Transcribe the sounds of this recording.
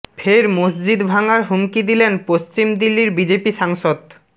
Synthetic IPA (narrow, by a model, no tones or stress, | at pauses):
fʰeɾmosd͡ʑid̪bʱaŋaɾɦumkid̪ilenpost͡ɕimd̪ilːiɾbid͡ʑepiʃaŋʃod̪